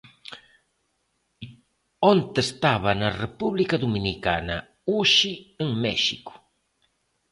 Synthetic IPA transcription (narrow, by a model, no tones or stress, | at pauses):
ont̪est̪aβɐnɐrepuβlikɐðuminikanɐ | uʃieŋmɛʃḭkʊ̥